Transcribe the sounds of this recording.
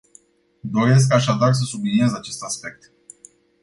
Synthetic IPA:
d̪o̞ɾe̞s̬kaʃad̪ars̬əsubliniezat͡ʃe̞st̪aspe̞k̚t̪

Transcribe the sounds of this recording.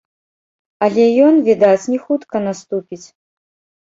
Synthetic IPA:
ɐlʲɛjɔnvʲid̪at͡sʲnʲixut̪kɐnast̪upʲit͡sʲ

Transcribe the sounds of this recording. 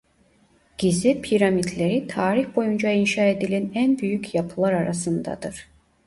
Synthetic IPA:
ɟ̥izɛpʰiɾamid̪lʲeɾit̪ʰaːɾiçbo̞jund͡ʒainʃaːe̞d̪ilʲænænbyjycʰjapʰɯlˠaɾaɾasɯnd̪a̰d̪ɯɾ̥

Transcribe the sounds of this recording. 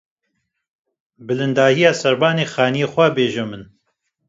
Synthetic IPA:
bɨlɨnd̪aːhijaːsɛɾbaːneːxaːnijeːxʷɛbeːʒɛmɨn

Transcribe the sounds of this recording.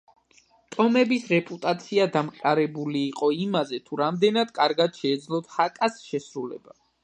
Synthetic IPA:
t̪ʼɔmɛbisɾɛpʼut̪ʼat̪sʰiad̪amqʼaɾɛbuliːqʼɔimazɛt̪ʰuɾamd̪ɛnad̪̥kʼaɾɡad̪̥ʃɛːd̪zlˠɔt̪hakʼasʃɛsɾulɛ̰ba

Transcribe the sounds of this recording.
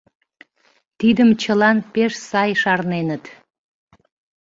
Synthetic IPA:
t̪id̪əmt͡ɕəlɑnpeʃsɑjʃɑrnenət̪

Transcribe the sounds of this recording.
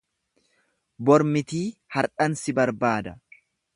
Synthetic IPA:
bɔɾmɪt̪iːhɐɾᶑɐnsɪbɐɾbaːd̪ɐ

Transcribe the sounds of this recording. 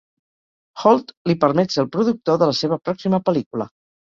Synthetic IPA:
xɔlˠt̪lipəɾmɛt̪səlˠpɾuðuk̚t̪oðələseβ̞əpɾɔksiməpəlikulə̰

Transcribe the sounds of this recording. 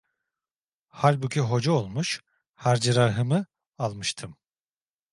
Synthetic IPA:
halʲbucʲʰiɦo̞d͡ʒaolˠmuʃ | haɾd͡ʒɯɾaɾɦɯmɯ | alˠmɯʃt̪ʰɯm

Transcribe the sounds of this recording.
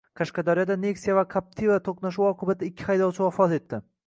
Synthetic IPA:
qʰɑʃqɑd̪aɾijɒd̪ane̞ksijavakʰap̚t̪ʰivat̪ʰoqnaʃ̬uwɒqʰɨbat̪ʰɪɪkʲʰːɪhajd̪ɒwt͡ʃʰɪwafɒt̪e̞t̪ʰːɪ

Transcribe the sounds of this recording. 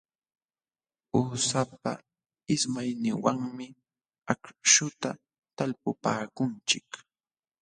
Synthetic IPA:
uːsapa̰ | ɪsmajnɪwaŋmɪ | akʃʊt̪a | t̪alpʊpaːkʊnt͡ʃɪk

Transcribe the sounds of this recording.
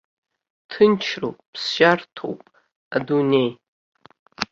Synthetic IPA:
tʰɨnt͡ʃʰro̰pʼpʰsʒartʰo̰wpʼ | adunej

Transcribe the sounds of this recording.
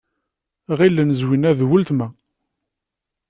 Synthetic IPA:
ʁilːənəzwinæðwəlt̪mæ

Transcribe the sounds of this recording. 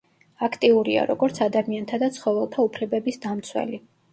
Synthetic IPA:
akʰt̪ʼiuɾia̰ɾɔɡɔɾt̪sʰad̪amiant̪ʰad̪at̪sʰχɔvɛlˠt̪ʰaupʰlɛbɛbisd̪amt̪sʰwɛ̰li

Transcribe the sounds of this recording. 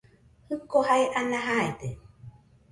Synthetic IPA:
hɯkohajʔanaɦaet̪e

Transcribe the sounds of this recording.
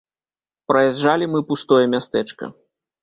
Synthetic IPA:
pɾɐjazʐalʲimɨpust̪ɔjɐmʲast̪ɛt͡ʂkɐ̰

